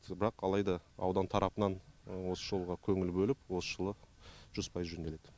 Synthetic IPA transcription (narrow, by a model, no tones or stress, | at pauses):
bɪɾɑqɑlˠɑjd̪ɑɑ̰wd̪ɑnt̪ʰɑɾʔɑpənɑnwo̞səʒo̞lˠʁɑkʲʰɵŋɪlbɵlɪpwo̞sə̥ʒəlˠəʒ̥ʏz̥pʰɑjəzʒɵnd̪e̞le̞d̪̥ɪ